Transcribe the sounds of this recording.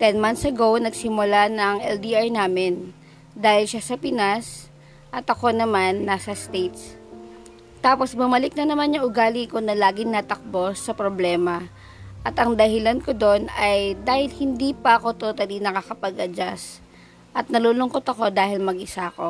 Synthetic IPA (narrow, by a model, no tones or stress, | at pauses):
t̪ɛnmant̪sɐɡo̞wnɐɡsɪmʊlanɐŋɛld̪iʔajnaːmɪn | d̪aːhɪlʃasɐpɪnas | ʔɐt̪ɐko̞nɐmanːaːsɐst̪ejt̪s | t̪aːpo̞sbʊmɐlɪk̚nɐnɐmanɲʊŋʔʊɡaːlikonɐlaːɡɪŋnat̪ɐk̚bo̞sːɐpɾoblɛːmɐ | ʔɐt̪ɐŋd̪ɐhɪlanko̞d̪o̞nɐjd̪aːhɪlhɪnd̪iːpɐʔɐko̞t̪oːt̪ɐlinɐkakɐpɐɡʔɐd͡ʒas | ʔɐt̪̚nɐluːlʊŋkot̪ɐko̞d̪aːhɪlmɐɡʔɪsaɐko̞